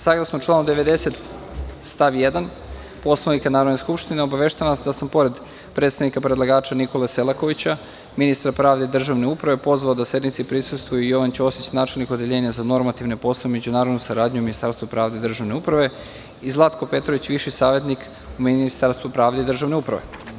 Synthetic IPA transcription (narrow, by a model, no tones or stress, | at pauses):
saːɡlˠasnot͡ʃlˠaːnud̪eʋe̞d̪e̞se̞t̪st̪aʋjed̪an | po̞slˠanikanaːɾod̪neskupʃt̪ineo̞baʋeʃt̪aʋansd̪asampo̞ɾe̞d̪ | pɾed̪st̪aʋnikapɾed̪lˠaɡaːt͡ʃaniko̞leselˠako̞ʋit͡ɕa | minist̪ɾapɾaːʋd̪eid̪r̩ʒaʋne̞upɾaʋe̞po̞zʋaod̪asje̞d̪nit̪sipɾisust̪ʋujuijo̞ʋant͡ɕosit͡ɕanaːt͡ʃelniko̞d̪eʎe̞ːɲazano̞ɾmat̪iʋne̞po̞slˠaeme̞d͡ʑunaːɾod̪nusaɾaːd̪ɲuminist̪aɾst̪vupɾaːʋd̪eid̪r̩ʒaʋne̞upɾaʋe̞ | izlˠat̪ko̞pe̞t̪ɾoʋit͡ɕʋiʃisaːʋe̞t̪nik | uminist̪aɾst̪ʋupɾaːʋd̪e̞id̪r̩ʒaʋne̞upɾa̰ʋe̞̰